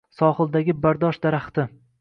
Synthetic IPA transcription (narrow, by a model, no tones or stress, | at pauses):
sɒhɨlˠd̪aɡʲɪbaɾd̪ɒʃd̪aɾaχt̪ɪ